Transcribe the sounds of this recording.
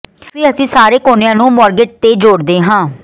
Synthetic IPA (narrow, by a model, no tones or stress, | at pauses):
piːəsĩːsaːɾeːkoːnɪjãːnũːmɔːɾɡɪʈ̚t̪eːd͡ʒoːɽd̪eːɦãː